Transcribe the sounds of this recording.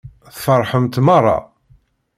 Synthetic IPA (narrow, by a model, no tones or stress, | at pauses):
θfəɾˤħəmt̪mɑrˤːɑ̰